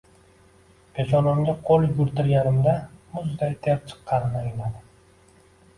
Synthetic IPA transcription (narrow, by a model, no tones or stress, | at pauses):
pʰʲet͡ʃɒnɒmɡʲaqʰolˠɡʊɾt̪ɪɾjaɾɪmd̪amʊzd̪ajt̪ʰeɾt͡ʃʰɨ̥qʰːɑnnajɪlad̪ɪ